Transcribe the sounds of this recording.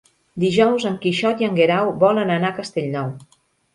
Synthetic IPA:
d̪iʒɔwzəŋkiʃɔt̪iəŋɡeɾawβɔlənənakəst̪eʎnɔw

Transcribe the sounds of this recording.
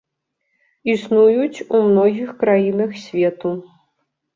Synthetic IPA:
isnujut͡sʲumnɔɣʲixkɾajinɐxsʲvʲɛt̪u

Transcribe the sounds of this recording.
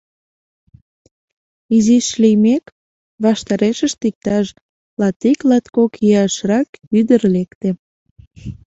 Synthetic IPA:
iziʃlimek | βɑʃt̪ɑɾeʃəʃt̪ik̚t̪ɑʃ | lɑt̪iklɑt̪kokiɑʃrɑkyd̪ərlekt̪e

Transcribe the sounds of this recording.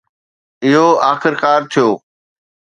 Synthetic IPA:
ɪɦoaːxɪɾkaːɾt̪ʰijoː

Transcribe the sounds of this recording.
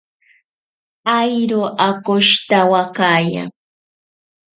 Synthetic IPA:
ajɾʊʔakʊʃt̪awakaːja̰ŋ

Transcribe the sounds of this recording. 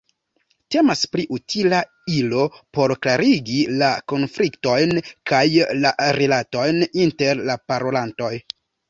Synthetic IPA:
te̞maspɾiʔutʰila | ilo̞po̞ɾklaɾiɡilako̞nflikto̞jnkʰajlaɾilato̞jninte̞ɾlapaɾo̞lanto̞j

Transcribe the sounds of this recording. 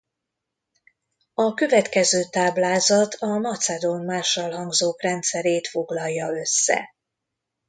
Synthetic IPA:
ɒkø̞vɛt̪kɛzøːt̪aːblaːzɒt̪ʰɒmɒt̪sɛd̪onmaːʃːɒlɦɒŋɡzoːkrɛnt̪sɛɾeːt̪fo̞ɡlɒjːɒø̞sːɛ̰

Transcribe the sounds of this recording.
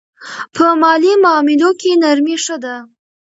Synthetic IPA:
pʰəmɑlimʊɑmɪlokenaɾmiʂəd̪a

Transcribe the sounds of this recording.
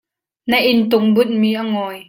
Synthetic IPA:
nɐʔɪnt̪ʊŋbʊt̪̚miːʔaŋɔːj

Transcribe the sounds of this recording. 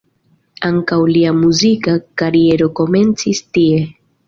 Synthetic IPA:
aŋkawliamuzikakaɾie̞ɾo̞ko̞me̞nt͡sistie̞

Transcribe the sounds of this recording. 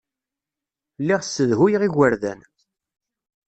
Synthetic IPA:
lːiʁsːəðɦujʁiɣəɾðæ̰n

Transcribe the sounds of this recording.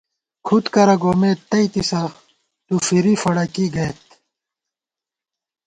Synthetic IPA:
kʰut̪kɐɾɐɡoːmeːt̪ːɐit̪isɐ | t̪ufiɾifɐɽɐkiɡɐet̪̚

